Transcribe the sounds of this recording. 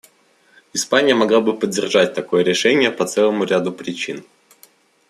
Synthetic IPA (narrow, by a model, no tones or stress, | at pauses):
ɪspanʲɪjəmɐɡlˠabɨpədʲːɪrʐat̚ʲt̪ɐko̞jəɾʲɪʂɛnʲɪjəpɐt̪sɛlˠəmʊɾʲad̪ʊpɾʲɪt͡ɕin